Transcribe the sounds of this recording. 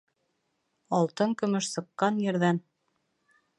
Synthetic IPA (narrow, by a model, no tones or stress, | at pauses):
ɑlˠt̪ɤŋkɵ̆mɵʃsɤ̆qːɑnjɘ̆ɾðæn